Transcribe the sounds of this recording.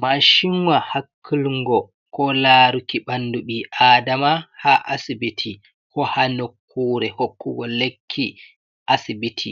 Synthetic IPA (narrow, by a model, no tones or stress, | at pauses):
maʃiŋwahakʰːilŋɡɔ | kɔlaːɾukiɓanduɓiʔaːdamahaʔasibitʰi | kɔhanokʰːuːɾɛhokːuɡɔlekʰːi | ʔasibitʰi